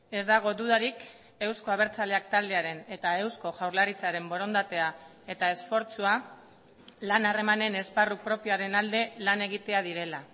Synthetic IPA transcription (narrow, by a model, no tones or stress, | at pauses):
e̞zd̪aɣ̞o̞d̪uðaɾik | e̞wsko̞aβ̞e̞ɾt͡sale̞akt̪ald̪e̞aɾe̞ne̞t̪ae̞wsko̞ʝawɾlaɾit͡saɾe̞mbo̞ɾo̞nd̪at̪e̞a | e̞t̪ae̞sfo̞ɾt͡sua | lanare̞mane̞ne̞sparupɾo̞pioaɾe̞nald̪e̞lane̞ɣ̞it̪e̞að̞iɾe̞la